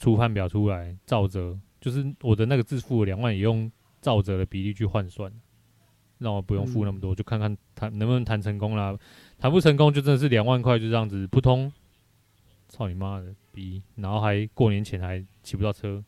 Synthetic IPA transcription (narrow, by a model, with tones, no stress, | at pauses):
ʈ͡ʂʰu˦pʰa˥˩npjɑ˨˩ʊtʰu˦la˨˦ɪt͡sɑ˥˩ʊt͡sɤ˨˦t͡ɕjo˥˧ʊʂ̬ɻ̩˥˩wɔ˨˩d̪ə˦na˥˩ɡə˩t͡sɹ̩˥˧fu˥˩ə˨˩ljɑ˨˩ŋwa˥˩njɛ˨˩˦jɔ˥˧ŋ | t͡sɑ˥˩ʊt͡sɤ˨˦d̪ə˨pi˨˦li˥˧t͡ɕʰy˥˧xwa˥˧nswa˥˨˩nə˩ | na˥˩ŋwɔ˨˩pu˧jɔ˥˧ŋfu˥˧na˥˩mə˩t̪wɔ˦˨t͡ɕjo˥˧kʰa˥˧nkʰa˥˩nt̪ʰa˧˦nnə˧˦nmə˨nt̪ʰa˧˥nt͡sʰə˧˥˦ŋko˦ŋla˨ | t̪ʰa˧˦npu˥˩ʈ͡ʂʰə˧˥ŋk̬o˥˦ŋt͡ɕjʊʈ͡ʂə˥˧ndə˨ʂ̬ɻ̩˥˩ljɑ˨˩ŋwa˥˧nkʰa˥˧ɪt͡ɕjo˥ʊ˥jɑ˥˩ŋd͡z̩˨˩pʰu˥˩t̪ʰo˦ŋ | t͡sʰɑ˥˩ʊni˨˩ma˦d̪ə˨pi˨na˧˥nxo˥˩ʊxa˧˥ɪkwɔ˥˩njɛ˧˦nt͡ɕʰjɛ˧˦nha˧˥ɪt͡ɕʰi˨pu˧˦t̪ɑ˥˩ʊʈ͡ʂʰɤ˦